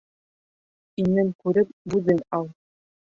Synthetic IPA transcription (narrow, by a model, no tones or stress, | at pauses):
inɘŋkʉɾɘp̚bʉðɘnɑlˠ